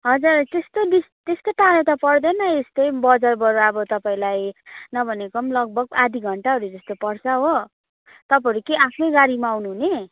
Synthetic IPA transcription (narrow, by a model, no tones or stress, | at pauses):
ɦʌd͡zurt̪est̪od̪ist̪est̪oʈaɾʌt̪ʌpʌrd̪ʌnʌest̪ʌjbʌd͡zarbʌɾʌbʌt̪ʌpaĩlajnʌbʱʌnekʌmlʌɡ̚bʱʌɡ̚ad̪ʱiɡʱʌɳʈaɦʌɾud͡zʌst̪opʌrt͡sʰʌɦo | t̪ʌpaʌɾukeakʰnʌjɡaɾimaːwnuɦune